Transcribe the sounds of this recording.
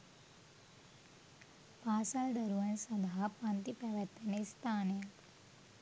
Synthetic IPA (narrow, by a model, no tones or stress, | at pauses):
paːsald̪ɐɾuʋɐnsɐnd̪aɦapant̪ipæʋɛt̪ːɐnəst̪aːneja